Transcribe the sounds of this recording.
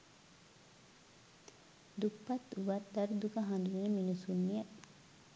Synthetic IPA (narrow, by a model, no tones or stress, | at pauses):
d̪upːɐt̪uʋat̪d̪ɐɾud̪ukaɦand̪uneminusunːijɐ